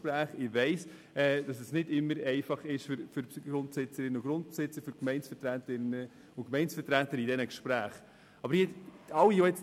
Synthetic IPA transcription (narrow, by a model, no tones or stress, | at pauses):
pɾæːχɪʋɛɪs | ɛːd̥ɑsɛsnɪdɪmːəɾɛɪfɑχɪʃfʏɾfyɾsɡɾʊntsɪt͡səɾɪnːəʊɡɾʊntsɪt͡səɾfʏɾkmɛɪnsfəɾtɾætɪnːə | ʊnkmɛɪnsfətɾætəɾidɛnəkʃpɾæːχ | ɑbəɾjɪɑwijɔɛt͡s